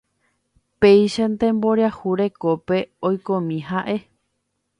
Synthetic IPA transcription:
pejʃant̪ẽ̞mbo̞ɾahuɾe̞ko̞pe̞ojkõmĩɦaʔe̞

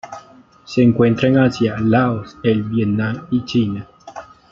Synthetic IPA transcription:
seːŋkwe̞nt̪ɾaeŋasjalaoselbjet̪naŋit͡ʃina

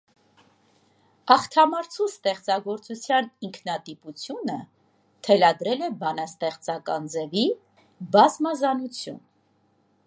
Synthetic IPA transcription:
ɑχt̪ʰɑmɑɾt͡sʰust̪ɛχt͡sɑɡɔɾt͡sut͡sʰjɑniŋkʰnɑt̪iput͡sʰjunə | t̪ʰɛlɑd̪ɾɛlɛbɑnɑst̪ɛχt͡sɑkɑnd͡zɛvi | bɑzmɑzɑnut͡sʰjṵn

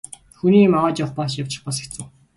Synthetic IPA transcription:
xuniːmaʁaːt͡ɕɔχpaʃjaw̥t͡ɕɪ̆χpɔse̥kt͡sŭː

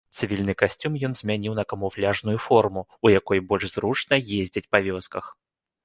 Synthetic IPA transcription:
t̪sɨvʲilʲnɨkasʲt͡sʲumjɔnzʲmʲanʲiwnɐkɐmuflʲaʐnujufɔrmuujakɔjbɔlʲʐzɾut͡ʂnɐjezʲd͡zʲɛt͡sʲpɐvʲɔskɐx

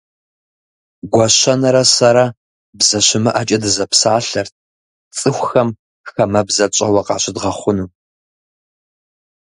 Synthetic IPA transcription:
ɡʷɔɕɐnɐɾɐsɐɾɐ | bzɐɕɪmɨʔɐt͡ʃʼɐdɨzɐpsaːɬɐrt̚ʰ | t͡sʼɨxʷxɐm | xɐmɐbzɐt͡ʃʼɐwɐqɑ̰ːɕɪdʁɐχʷʊnuː

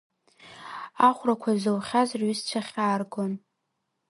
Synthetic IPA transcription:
aχʷrakʷʰazɨwχʲazrɥist͡ʃʷʰaχʲaːrɡon

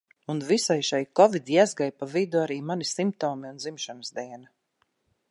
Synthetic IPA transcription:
unvisajʃajkɔvid̪ʲjazɡajpavid̪uaɾiːmanisimp̚t̪ɔːmiunzimʃanzd̪iɛna

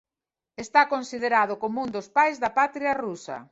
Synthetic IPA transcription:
est̪akonsið̞eɾað̞ʊkomũnd̪ʊspajzðɐpat̪ɾiarusɐ̰

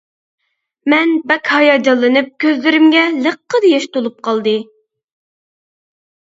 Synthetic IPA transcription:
mɛnbɛkʲhɑjɑd͡ʒɑlˠːɨnɨp̚kʲʰøzlɪɾɪmɡʲɛləqːəd̪ejɛʃt̪ʰolˠup̚qʰɑlˠd̪ɨ

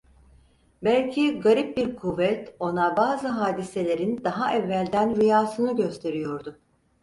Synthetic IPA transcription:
bælʲcʰiɡaɾip̚biɾkʰuvːɛt̪o̞nabaːzɯɦaːd̪ise̞lʲe̞ɾind̪aɦaʔɛvːælʲd̪ænɾijaːsɯnɯɟø̞st̪ʰe̞ɾijo̞ɾd̪ʊ

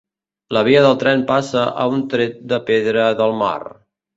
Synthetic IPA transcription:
ləβ̞iəðəlˠt̪ɾɛnpasəʔə̰unt̪ɾet̪̚d̪əpeðɾəðəlˠma̰r

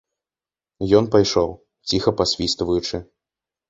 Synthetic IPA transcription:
jɔnpajʂɔw | t͡sʲixɐpasʲvʲist̪vɐjut͡ʂɨ

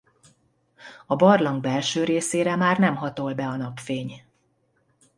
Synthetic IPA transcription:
ɒbɒrlɒŋɡ̚bɛlʃøːɾeːseːɾɛmaːrnɛmɦɒt̪o̞lbɛɒnɒpfeːɲ

